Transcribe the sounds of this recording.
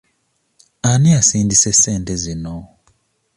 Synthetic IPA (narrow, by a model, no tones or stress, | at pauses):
aniasiːndiseseːntezino